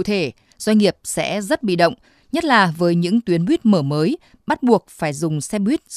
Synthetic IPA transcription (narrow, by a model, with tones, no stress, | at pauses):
t̪ʰe˧˩ | z̥wa˧ŋŋi˨˩əp̚sɛ̰˧˥zə˦˥t̚ɓḭ˧˨ɗə̰˧˨wŋ͡m | ɲə˦˥t̚laː˨˩vəː˨˦jɲɨ̰˧˥ŋt̪wi˨˦ənwi˦˥t̚məː˧˩məː˨˦j | ɓa˦˥t̚ɓu˨˩ək̚faː˧˩jzʊ˨˩ŋ͡msɛ˧ɓwi˦˥t̚